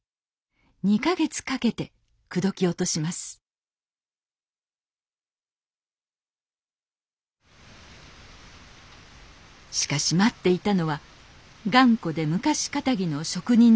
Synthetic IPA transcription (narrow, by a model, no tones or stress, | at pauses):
ɲ̟ikaɡe̞t͡sɨ̥kake̞t̪e̞ | kɯ̟d̪o̞kʲio̞t̪o̞ɕimasɨ̥ | ɕi̥kaɕimat̪ːe̞it̪ano̞βa | ɡãŋko̞d̪e̞mɯ̟kaɕi̥kat̪aɡʲino̞ɕo̞kɯ̟ɲ̟ĩɲ